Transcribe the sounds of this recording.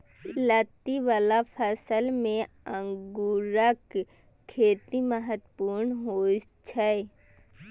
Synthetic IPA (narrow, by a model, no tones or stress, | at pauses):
lət̪iʋalapʰəsəlmẽ | ə̃ŋɡuɾəkʰː | eːt̪iməɦət̪puːɾnɦoː | t͡ʃʰɛ